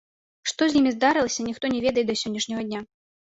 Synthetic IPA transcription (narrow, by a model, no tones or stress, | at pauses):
ʂt̪ɔzʲnʲimʲizd̪aɾɨlˠɐsʲɐnʲixt̪ɔnʲɛvʲɛd̪ɐjɛt̪d̪ɐsʲɔnʲːɐʂnʲɐɣɐdʲnʲa